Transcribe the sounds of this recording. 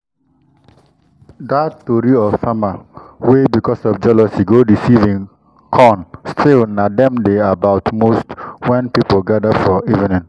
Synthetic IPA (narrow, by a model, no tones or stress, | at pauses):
datːoɾiɔv̥samawebikɔsɔfd͡ʒɛləsiɡodisivĩŋ | kʰɔnstʰilnadɛ̃mdeabaʊtmostwɛ̃npipolɡadafɔivĩnĩn